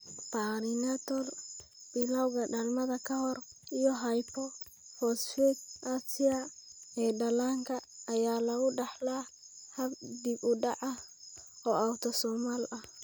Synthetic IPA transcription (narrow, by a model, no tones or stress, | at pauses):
paːɾɪnat̪ɔl | b̥ɪlɐwɣɐɖalmɐðɐkʰɐɦɔrijɔɦɐjpʰɔ | fɔsfɛt̪̚ʔasɪɐɛːɖɐlaːŋkʰɐːjaːlɐɣʊɖɑħla | hɐb̚d̪ibʊɖɑʕɐ | ɔːawt̪ʰɔsɔːmaːlɐh